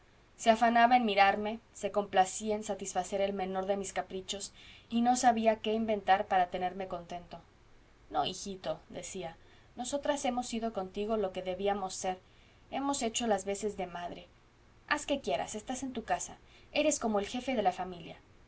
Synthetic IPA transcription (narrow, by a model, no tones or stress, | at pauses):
seafanaβaenmiɾaɾme̞se̞ko̞mplasiaensat̪isfase̞ɾe̞lmẽ̞no̞ɾðe̞miskapɾit͡ʃo̞sino̞saβiake̞imbe̞nt̪aɾpaɾat̪e̞ne̞ɾme̞ko̞nt̪e̞nt̪o̞ | no̞ixit̪o̞ðe̞̰sia | no̞so̞t̪ɾase̞mo̞siðo̞ko̞nt̪iɣo̞lo̞ke̞ðe̞βiamo̞sːe̞ɾ | e̞mo̞se̞t͡ʃo̞lazβe̞se̞zðe̞maðɾe̞ | aske̞kje̞ɾa̰se̞st̪ase̞nt̪ukasa | e̞ɾe̞sko̞mo̞elxe̞feðe̞lafamilja